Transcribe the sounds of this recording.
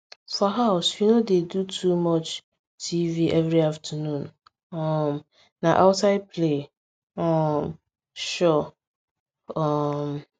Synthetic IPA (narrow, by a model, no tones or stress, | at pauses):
fɔɦaʊswinodedutʰumɔt͡ʃ | tʰiviʔɛvɹiaftʰənũn | ɔ̃m | naʔaʊtaɪd̚pʰle | ɔ̃m | ʃɔ | ɔm